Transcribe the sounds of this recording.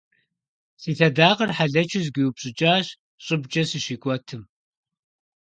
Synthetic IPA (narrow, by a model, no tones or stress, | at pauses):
siːtʰɐdaːqɐrħaɮɐt͡ʃʰɪzɡʷiwupɕʼɪt͡ʃʼaːɕ | ɕʼɨbt͡ʃʼɐsɨʃiːkʷʼɔtʰɨm